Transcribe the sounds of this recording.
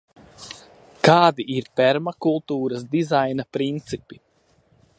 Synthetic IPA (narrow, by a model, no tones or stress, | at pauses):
kaːd̪iʔiɾpɛɾmakulˠt̪uːɾɐsd̪izajnapɾint̪sipi